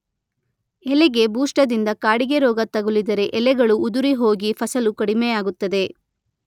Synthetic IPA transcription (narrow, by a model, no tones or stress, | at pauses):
ɛlɛɡe̞buːʂʈɐd̪ind̪ɐkaːɽiɡe̞ɾɔːɡɐt̪ɐɡulid̪ɐɾe̞ʔɛlɛɡɐɭuːd̪uɾiɦo̞ːɡipʰɐsɐlukɐɽimɛjaːɡut̪ːɐd̪e̞